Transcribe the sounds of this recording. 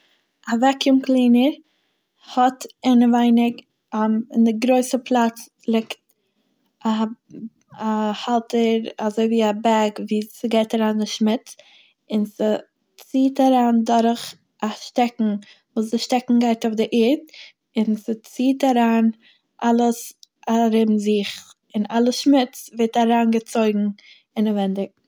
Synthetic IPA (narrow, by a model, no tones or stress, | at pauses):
avɛkɪmklˠiːnəɾ | hɔtɪnəvaɪnɪk | ɪndɪɡɾoɪsəpʰlˠat͡s | lˠɪkt̚ | a | ahalˠtʰəɾazoɪviːabɛɡviːsɪɡeɪtaɾaːndɪʃmɪt͡s | ɪnsɪ | t͡siːtaɾaːndʊɾχ | aʃtɛkŋ̩ | vuːs̬dɪʃtɛkŋ̩ɡaɪtʊfdɪʔɪɾt | ɪnsɪt͡siːtaɾaːn | ʔalˠəsaɾɪbmzɪχ | ɪnalˠəʃmɪt͡svɛtaɾaːnɡət͡soɪɡŋ̩ | ɪnavɛndɪk̚